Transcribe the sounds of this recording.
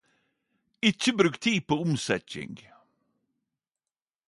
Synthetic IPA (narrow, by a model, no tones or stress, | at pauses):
ɪt͡ʃːəbɾʉːkt̪ʰiːpʰoʊmsɛcɪ̰ŋɡ